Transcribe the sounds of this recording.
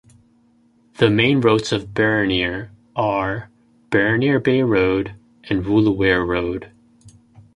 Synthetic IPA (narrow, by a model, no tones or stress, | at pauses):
ðɨmẽɪ̃nɹoʊtsʌvbɛɹɨnɪɹ | ə˞ | b̥ɛɹɨnɪɹbeɪɹoʊɾ | ʔɨ̃nɹulˠəwɛɹɹoʊd̥